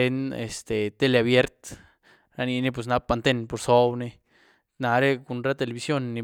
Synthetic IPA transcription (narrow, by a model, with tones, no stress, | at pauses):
e˧ne˨st̪e˨t̪e˦˧le˧a˧βje˦ɾt̪ | ɾa˧ni˧ne˧p̬we˨s̬na˧pa˧nt̪e˧npo˧ɾso˦wne˧ | na˧ɾe˦˧ku˧nɾa˦t̪e˧le˧βi˧sjo˦nːi˧